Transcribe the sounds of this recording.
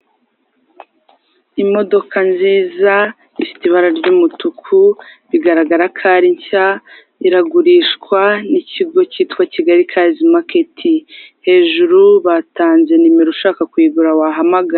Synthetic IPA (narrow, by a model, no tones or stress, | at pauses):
imo̞do̞kʰanziːza | ifi̥tiβaɾaɾɟuːmutukʰuβiɡaɾaɡaɾakʰaːɾiɲca | iɾaɡuɾiːʃkwaniciɡo̞ciːtkwaciɡaɾikʰaːzimake̞tʰihe̞ːʒuɾuβataːnze̞nimeɾuʃaːkakwiːɡuɾawaɦamaɡaɾ